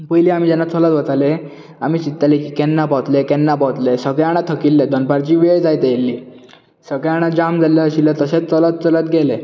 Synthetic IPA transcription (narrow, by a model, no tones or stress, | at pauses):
pəjliamiːd͡ʑɛnːat͡sʰɔlət̪bət͡s̪ale | amiːt͡ɕit̪ːalekikɛnːapat̪lekɛnːapɔwt̪lesəɡɛaɽ̃at̪ʰəkilːed̪ɔnpaɾt͡ɕiːʋeɭd͡zajt̪eelːi | səɡɭeaɽ̃ad͡ʑamd͡zaljaəɕilət̪əset͡st͡sɔlət̪̚t͡sɔlət̪̚ɡele